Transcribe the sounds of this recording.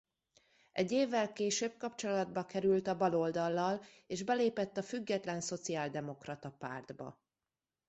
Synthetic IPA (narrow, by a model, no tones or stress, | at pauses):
ʔɛɟːeːvːɛlkeːʃøːb̚kɒpt͡ʃo̞lɒd̪̚bɒkɛɾylt̪ɒbɒlo̞ld̪ɒlːɒl | eːʒbɛleːpɛt̪ːɒfyɡːɛt̪lɛnso̞t̪siaːld̪ɛmo̞krɒt̪ɒpa̰ːrd̪bɒ̰